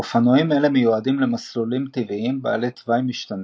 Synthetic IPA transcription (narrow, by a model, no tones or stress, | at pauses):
ofanojimelemejuadimle̞maslolimt̪iviimbaːlet̪vajmiʃt̪an